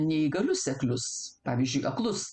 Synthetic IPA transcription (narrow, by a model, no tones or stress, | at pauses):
nʲɛiɡɐlʲʊsʲɛklʲʊspɑːʋʲizʲd͡ʒʲʊɪʔɐklˠʊs